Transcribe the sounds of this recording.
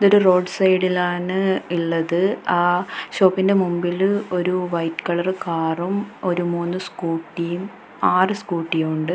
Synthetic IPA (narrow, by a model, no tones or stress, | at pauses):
iðo̞ɾuro̞ːɖsɐjɽilaːɳɨiɭːɐðɨaːɕo̞ːpːinde̞mumbilo̞ɾuʋɐjtːkɐɭɐrkaːrumo̞ɾumuːnːɨskuːʈːijum | aːrɨskuːʈːijmuɳɖɨ